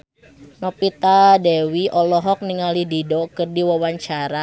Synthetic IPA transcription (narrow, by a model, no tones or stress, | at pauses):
nɔpit̪adɛwiʔɔlɔɦɔk̚niŋalididɔkɨrdiwawaɲt͡ʃaɾa